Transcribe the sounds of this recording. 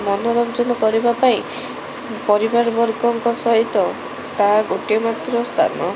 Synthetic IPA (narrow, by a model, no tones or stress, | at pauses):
mɔnoɾɔnt͡ʃɔnɔkɔɾibapaĩ | pɔɾibaɾbɔɾɡɔŋkɔsɔɦit̪ɔ | t̪aɡoʈiɔmat̪ɾɔst̪ʰa̰nɔ